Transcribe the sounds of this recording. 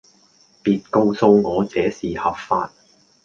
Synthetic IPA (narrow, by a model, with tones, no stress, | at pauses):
piː˨˧t̚ko˧wso˧wŋɔː˨˧t͡sɛː˨˥siː˨hɐ˨˩p̚faː˧t̚